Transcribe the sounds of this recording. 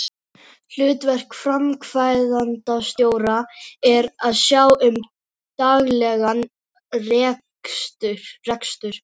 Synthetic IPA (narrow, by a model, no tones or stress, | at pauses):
l̥ʏːt̪vɛr̥kfɾamkʰvaːjðant̪ast̪joːwɾaɛɾaðsjaːwʏm | t̪aɣlɛɣan | rɛː | st̪ʏɾ̥ːɛkst̪ʏɾ̥